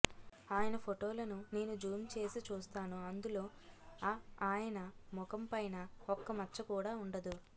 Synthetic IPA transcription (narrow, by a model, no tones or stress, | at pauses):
aːjɐnɐpʰoʈoːlɐnune̞ːnud͡ʒuːmt͡ʃe̞ːsit͡ʃuːst̪aːnuɐnd̪ulo̞ː | aːjɐnɐmɔkɐmpɐjnɐɔkːɐmɐt͡ʃːt͡ʃːɐkuːɽaːuɳɖɐd̪u